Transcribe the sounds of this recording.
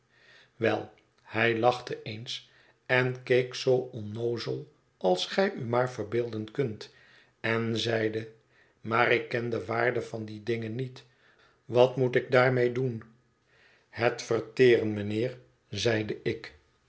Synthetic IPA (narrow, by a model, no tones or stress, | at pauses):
ʋɛ̰lˠ | hɛjlɑχtəʔejns | ɛnkejksowɔnːowzəlˠ | ʔɑlˠsχɛjymaːɹvəɹbɪːlˠdənkɵnt | ɛnzɛjdə | maːɾɪkːɛndəʋaːɹdəvɑndidɪŋənit | ʋɑtmutɪɡ̚daːɹmejdun | hɛtfərtɪːrənmənɪːɹ | zɛjdəʔɪk